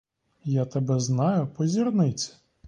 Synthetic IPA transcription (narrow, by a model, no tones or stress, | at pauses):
jat̪ɛbɛznɑjʊpɔzʲirnɪt͡sʲɪ̥